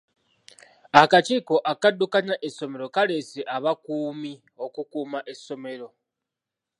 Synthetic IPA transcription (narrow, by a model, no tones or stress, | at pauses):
akat͡ʃiːko̞ʔakadːukanaʔeso̞me̞ɾo̞kale̞seʔaβakuːmi | o̞kukuːmaʔe̞sːo̞me̞ɾo̞